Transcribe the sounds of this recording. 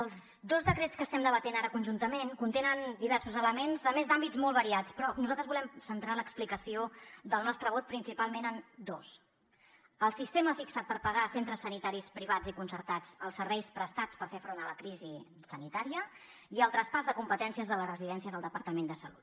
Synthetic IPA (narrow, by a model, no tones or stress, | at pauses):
əlˠz | d̪ozd̪əkɾet͡skəst̪ɛmd̪əβət̪enaɾəkunʲʒunt̪əmenkunt̪enənd̪iβ̞ɛrsuzələmenzəmezd̪ambid͡zmɔlˠβəɾiat͡spɾɔnuzalˠt̪ɾəzβulɛmsənt̪ɾaləksplikəsiod̪əlˠnɔst̪ɾəβ̞ot̪̚pɾinsipalˠmenənd̪os | əlˠsist̪eməfiksat̪̚pəɾpəɣasent̪ɾəsːənit̪aɾispɾiβ̞ad͡zikunsəɾt̪ad͡zəlˠsəɾβɛjspɾəst̪at͡spəɾfefɾonələkɾizi | sənit̪aɾiə | iəlˠt̪ɾəspazðəkumpət̪ɛnsiəzðələrəziðɛnsiəzðəlˠəpəɾt̪əmend̪əsə̰lut̪̚